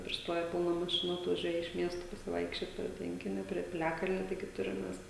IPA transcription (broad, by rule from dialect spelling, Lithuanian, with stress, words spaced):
pʲrʲɪsˈtoːjɛ ˈbuːnɐ mɐˈʃʲɪnuː ɐtʋɐˈʒʲuɔjɛ ɪʃ ˈmʲiɛstoː pɐsʲɪˈʋɐɪkʃʲt͡ʃʲoːt pʲrʲiɛ ˈtʲʋʲɛŋʲkʲɪnʲoː pʲrʲiɛ pʲɪˈlʲæːkɐlʲnʲoː ˈtɐɪɡʲɪ ˈtʊrʲɪm ˈmʲɛs